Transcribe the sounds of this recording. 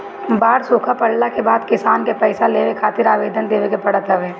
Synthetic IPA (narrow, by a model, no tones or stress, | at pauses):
baːɾsoːkʰapɐllakebaːd̪kɪsaːnkepɛːsaleːʋekʰaːt̪ɪɾaːʋeːd̪ʱənd̪eːʋekepɐɽət̪ɦɐʋeː